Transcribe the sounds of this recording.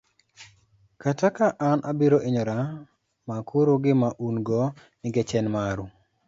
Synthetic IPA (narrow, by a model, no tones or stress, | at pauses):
katakaʔanʔabiɾoʔeɲɔɾa | makʰuɾoɡɪmaʔunɡɔ | nɪɡɛt͡ʃɛnmaɾu